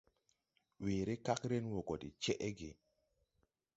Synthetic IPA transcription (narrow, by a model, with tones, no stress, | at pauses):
wiː˨ɾɪ˦ka˦kɾe˦nwo˨kɔ˨dḭ˨t͡ʃɛ˦ʔɛ˦ɡɪ˨